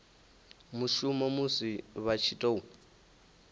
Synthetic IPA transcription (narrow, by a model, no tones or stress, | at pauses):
muʃumɔmusiβat͡ʃʰitʼou